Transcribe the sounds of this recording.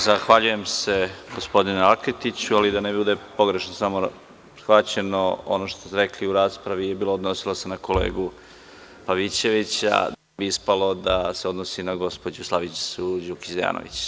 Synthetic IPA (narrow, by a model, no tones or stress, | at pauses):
zaxʋaʎuje̞mse̞ɡo̞spo̞d̪ineakit̪it͡ɕualid̪anebibud̪e̞po̞ɡɾe̞ʃnosamo | sxʋat͡ɕe̞noo̰noʃt̪osɾekliuɾaːspɾaʋijebiːlˠood̪no̞silˠose̞nako̞lḛːɡu | paʋit͡ɕe̞ʋit͡ɕa̰ | biispalo̞d̪aseo̞d̪nosinaɡo̞spod͡ʑuslˠaʋit͡ʃsud͡ʑuki̥zeja̰ːno̰ʋḭt͡ɕ